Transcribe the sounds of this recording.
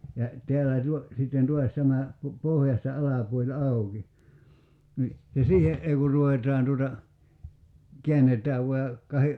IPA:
jɑ teælːæˑ tuo sitːen tuɑs tæmæ pu pohjɑstɑ ɑlɑpuolʲ ɑuki ni jɑ siːheʔ ʔei ku ruʋetˑɑːn tuotɑ ke̝ænːetˑæːʋ ʋuɑ jɑ kɑhe

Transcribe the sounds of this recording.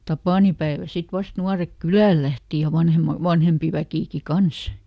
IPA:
tɑpɑˑnipæeʋæl sit ʋɑst nuɑrek kylæˑl læhti jɑ ʋɑnhemɑ ʋɑnhempi ʋækiˑki kɑns

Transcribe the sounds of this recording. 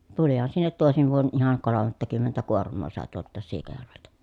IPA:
tulihɑn sinːet toˑesiʋ ʋuon ʔihɑŋ kolomˑɑtːɑkymːentæ kuormˑoː sɑˑe tuoltˑɑːs siːkɑjærʋeltæ

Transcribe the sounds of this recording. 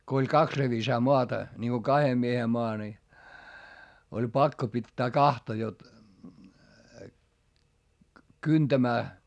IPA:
ko olʲ kɑks reʋisɑː moɑtɑ nʲiŋɡ̊o kɑhe miehe moɑ ni olʲ pɑkːo pitːæː kɑhtɑ jot kyntæmæː

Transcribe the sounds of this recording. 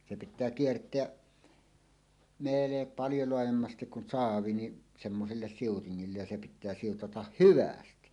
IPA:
se pitˑæː kiertˑeæʔ meːle pɑljo loɑjemːɑstik kun sɑːʋi ni semːoselːes siutiŋːilːej jɑ se pitˑæː siutɑtɑh hyʋæsti

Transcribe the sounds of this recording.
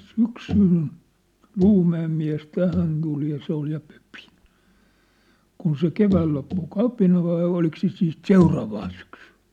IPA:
syksyn l̥uːmæem miæ̝s tæhæn tul jɑ se ol jɑ pø̥pi̥ kun se keʋæːl lopːu kɑpinɑ ʋɑi olik se siːt seurɑːʋɑːn syksẙn̥

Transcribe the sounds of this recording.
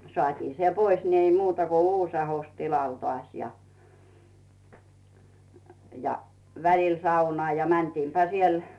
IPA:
soɑˑtiː se pois ni ei muːtɑ ko uːs ɑhos tilɑl toɑˑsʲ jɑ jɑ ʋælil sɑunŏɑˑ jɑ mæntiːmpæ siel

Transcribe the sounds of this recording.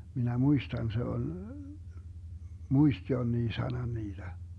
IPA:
minæ muistɑn se ol muist jonːiː sɑnɑn niːd̥æ

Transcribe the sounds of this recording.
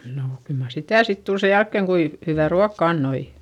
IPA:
noˑ kyl mɑr sitæˑ sit tul se jælkːeŋ kui hyʋæˑ ruɑkːɑ ɑnːoi

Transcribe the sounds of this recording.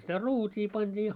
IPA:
sitæ ruːtʲiː pɑnd̥iː

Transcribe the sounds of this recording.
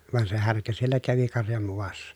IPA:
ʋɑn se hærkæ sielːæ kæʋi kɑrjɑm muʋɑsːɑ

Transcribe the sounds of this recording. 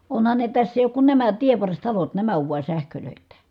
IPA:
onhɑn ne tæsː eˑi oːk kun næmæ tieʋːɑrstɑlot næmæ oʋ ʋuɑ sæhkøløˑitːæ

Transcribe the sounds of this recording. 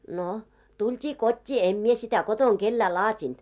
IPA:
no tultʲiː kotʲːiː em mie sitæ kotoŋ kelːæː lɑːtʲint

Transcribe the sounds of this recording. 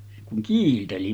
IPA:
se kuŋ kiːlteli

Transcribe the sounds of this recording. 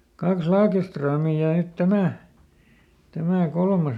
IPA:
kɑks lɑːkestrømiˑ jɑ nyt tæmæ tæmæˑ kolmɑs

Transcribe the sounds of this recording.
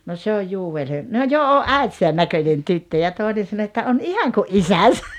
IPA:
no se oj juːel he no jo oʔ ʔæitisæn nækønʲen tytːø jɑ toˑenen sɑno etːæ on ihɑŋ kuʔ ʔisæsæ

